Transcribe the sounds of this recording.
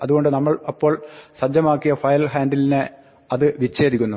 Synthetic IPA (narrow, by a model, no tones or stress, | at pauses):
ɐðuɣo̞ɳɖɨnɐmːɐɭɐpːo̞ːɭsɐd͡ʑɐmaːkːijɐfɐjɐlɦaːndiline | ɐðɨʋit͡ɕːe̞ːd̪ʱikʲːunːu